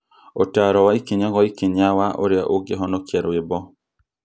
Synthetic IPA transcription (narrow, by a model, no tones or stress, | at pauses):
otaɾɔwaikeɲakɔikeɲawaʔo̰ɾɪa̰ʔoɡeɦɔnɔkjɛɾwɪbɔ